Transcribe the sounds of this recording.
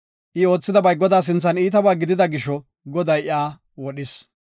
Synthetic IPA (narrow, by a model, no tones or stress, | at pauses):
ʔɪo̞ːt͡sːɪd̪ɐbɐjɡɔd̪aːs̬ɪnt͡sːɐniːt̪ɐbaːɡɪd̪ɪd̪ɐɡɪʃɔ | ɡɔd̪ɐjɪaː | wɔɗɪs